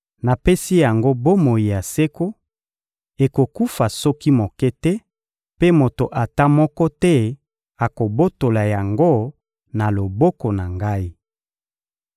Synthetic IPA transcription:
na˨pe˦si˦ja˨ŋɡo˦bo˦mo˨ji˨ja˨se˦ko˦ | e˨ko˨ku˦fa˨sɔ˦ki˦mo˨kɛ˦tɛ˦ | pe˦mo˨to˨ʔa˨ta˦mɔ˦kɔ˦tɛ˦ | a˨ko˨bo˦to˨la˨ja˨ŋɡo˦ | na˨lo˨bɔ˦ko˨na˨ŋɡa˦i˦

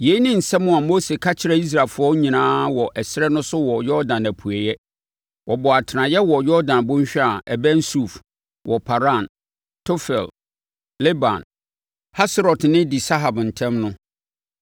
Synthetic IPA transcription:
je˨i˦nɪ̃˦n̩˨sɛ̃˦mʊ̃˨a˨mo˦se˨kʰa˦t͡ɕʰɪ˨ɾɛ˦i˦s̬ɾa˨lfʊ˦ɔ˦ɲĩ˨nãː˦wɔ˨ʔɛ˨sɪ˦ɾɛ˦nʊ̃˦sʊ˦wɔ˨jɔ˦dã˨næ˨pʰu˨ɛ˨jɛ˦ | wʔɔ˨bɔ˨a˨tʰɪ˨nã˨jɛ˦wɔ˨jɔ˦ɾdã˨nbʊ̃˦ɲ˦ɕᶣa˨ɛ˨bɛ̃˦n˦su˦˨f | wʔɔ˨pʰa˨ɾa˦˨n | tʰo˦fɛ̰˨l | le˦bã̰˨n | ha˦sɾɔ˨tnɪ̃˦di˨sa˦ɦa˨bn̩˨tʰɛ̃˦mnʊ̃˦

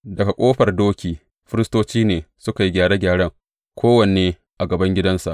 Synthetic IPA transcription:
dɐ˨ka˨kʷʼoː˦ɸɐ˨rdoː˦kʲiː˨ | ɸɪ˦ɾɪ˦stoː˦t͡ʃiː˦neː˨sʊ˦ka˨ji˦ɡʲaː˨ɽa˦ɡʲaː˨ɽɐ˦ŋ | kʷʰoː˦wɐ˨neː˨ | ʔa˨ɡɐ˨bɐ˦ŋɡʲɪ˦dɐ˦nsa̰˨ʔ

